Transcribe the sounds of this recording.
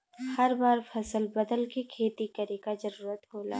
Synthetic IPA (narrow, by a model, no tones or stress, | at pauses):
hɐɾbaːɾpʰɐsəlbɐd̪əlkekʰeːt̪ikɐɾekazɐɾuːɾət̪ɦoːla̰ː